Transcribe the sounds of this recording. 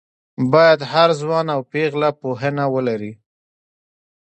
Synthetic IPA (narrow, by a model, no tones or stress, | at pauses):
bɑjad̪haɾzwɑnawpeɣlapoɦənawəlaɾi